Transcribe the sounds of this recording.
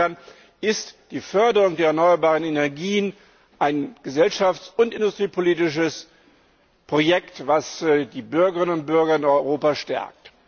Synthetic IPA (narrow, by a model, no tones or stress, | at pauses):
n | ʔɪstd̥iːfœɐdəʁʊŋdeːɐɛɐnɔʏɐbaːʁənenɛɐɡiːən | ʔaɪnɡ̥əzɛlʃaft͡sʊntʔɪndʊstʁ̥iːpʰoliːtɪʃ̬əs | pʁ̥ojɛktv̥asdiːbʏɐɡəʁɪnənʊnt̚b̥ʏɐɡɐɪnɔʏʁoːpaʃtɛ̰ɐ̰k̚t